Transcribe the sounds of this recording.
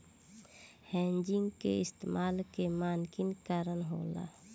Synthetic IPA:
hɛ̃ːɲd͡ʒɪ̃ŋɡkḛɪst̪emaːlkemaːnkɪnkaːɾənɦoːla̰

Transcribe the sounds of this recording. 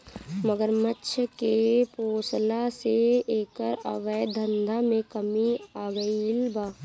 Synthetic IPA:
məɡəɾmətːʃʰəkepoːslaseeːkəɾə̰ʋəjd̪ʱə̃nd̪ʱamẽkəmiaːɡəiɪlbaː

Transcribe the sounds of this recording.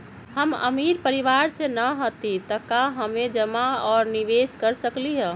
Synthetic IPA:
həmə̰miɾpəɾiʋaɾsenəɦot̪it̪əkaɦəmed͡ʒəmaɔːɾniʋeskəɾsəkliɦɛ̃

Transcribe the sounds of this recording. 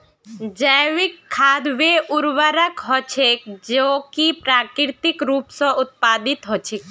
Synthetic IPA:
d͡ʒəjʋikʰːaːd̪ʋeʔʊɾʋəɾəkɦɔt͡ʃʰek̚d͡ʒokipɾaːkɾɪɾt̪ikɾuːpsɔ̃ʊt̪̚paːd̪it̪ɦɔt͡ʃʰek

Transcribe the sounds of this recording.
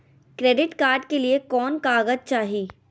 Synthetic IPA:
kɾeːɖɪʈkaːɾɖkeliekɔːnkaːɡəd͡ʒ̚t͡ʃaːɦiː

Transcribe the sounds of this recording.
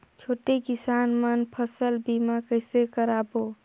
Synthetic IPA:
t͡ʃʰoːʈekisanmənpʰəsəlbimakəɪsekəɾabo

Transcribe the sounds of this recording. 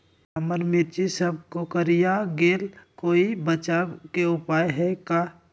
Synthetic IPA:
ɐməɾmɪɾt͡ʃisəb̚kokəɾijaɡeːlkoːibət͡ʃakeʊpaːjɦɛkaː

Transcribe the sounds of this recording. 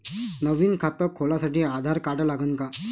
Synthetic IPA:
nəʋiːnkʰat̪əkʰːolasaʈiːad̪ʱaɾkaʈlaɡənka

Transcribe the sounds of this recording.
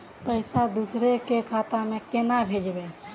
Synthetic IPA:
pəɪsad̪usɾekekʰat̪amekenabʱed͡ʒbe

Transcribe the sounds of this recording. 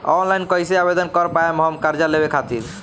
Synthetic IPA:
ɔnlajnkɔjseabed̪ɔnkɔɾpaemɔɦɔmkaɾd͡ʑalebekʰat̪iɾ

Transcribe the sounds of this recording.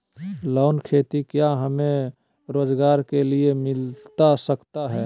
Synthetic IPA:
lɔːnkʰeːt̪ikjaɦəmẽ | ɾoːd͡ʒɡaːɾkeliemɪlt̪asəkt̪aɦɛː

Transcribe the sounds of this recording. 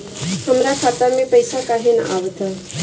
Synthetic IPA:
həmɾakʰat̪amẽpəjsakaɦinə̰ʔaʋt̪ʰə

